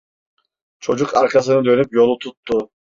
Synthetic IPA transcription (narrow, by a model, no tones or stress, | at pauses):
t͡ʃʰo̞d͡ʒukaɾkʰas̬ɯnɯd̪ø̞nypjo̞lˠut̪ʰut̪ːʊ